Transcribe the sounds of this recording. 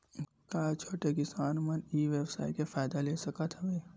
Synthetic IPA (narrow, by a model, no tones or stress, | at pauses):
kaːt͡ʃʰoːʈekɪsaːnmɐniːʋeːwsaːikefaːɪd̪aleːsɐkat̪ɛʋeː